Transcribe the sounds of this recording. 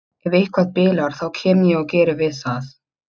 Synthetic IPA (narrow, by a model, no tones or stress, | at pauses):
ɛvejhkʰvaðpɪːlaɾ̥θawcʰɛːmjɛɣɔwcɛːɾɪvɪðθaθ